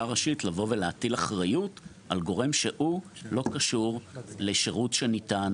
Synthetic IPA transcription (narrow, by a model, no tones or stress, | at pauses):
aʁaʃitlavo̞veleatilaχʁajut | ʔalɡo̞ʁe̞mʃeʔulo̞kaʃuʁleʃeʁutʃenitan